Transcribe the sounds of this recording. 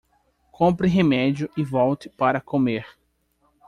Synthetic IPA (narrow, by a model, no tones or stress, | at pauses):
kʰõpɾɪɦemɛd͡ʒjʊʔɪvɔwt̪ɪ̥paɾɐkomeɾ